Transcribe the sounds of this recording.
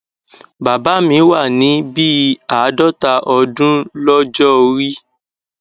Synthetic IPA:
ba˨ba˨˦mĩ˨˦wa˦˨nĩ˨˦bi˦a˨˦dɔ˦ta˧ʔɔ˧dũ˦lɔ˦d͡ʒɔ˦ɾi˦

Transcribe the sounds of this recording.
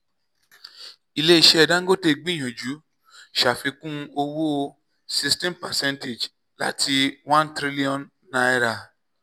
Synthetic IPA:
i˦˧le˦i˦˧ʃɛ˦ɛ˧dã˦ŋ̩˦ɡo˦te˧ɡ͡bĩ˦˨j̃ɔ̃˨d͡ʒu˨˦ | ʃa˨fi˧kũ˦˧o˧wu˦o˧ | si˧stɛ̃˦mpɛ˨sɛ̃˦nte˨d͡ʒ | la̰˦ti˧wã˦ntɾi˦li˦ɔ̃˨nː | ã˨˧ɛ˧ɾa˧˨

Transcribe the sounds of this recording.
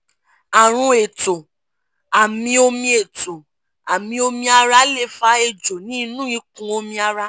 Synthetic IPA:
a˨ɾ̃ũ˧e˨to˨ | a˨mĩ˧o˧mĩ˧e˨to˨ | a˨mĩ˧o˧mĩ˧a˧ɾa˦le˦˧˨fa˧e˨d͡ʒo˨nĩ˦nũ˦i˧kũ˧o˧mĩ˧a˧ɾa˦

